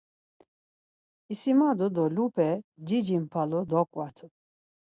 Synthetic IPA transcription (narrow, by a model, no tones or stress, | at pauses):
isimad̪ud̪ɔlupʰʼɛd͡ʒid͡ʒimpʰalud̪ɔkʼwat̪ʰu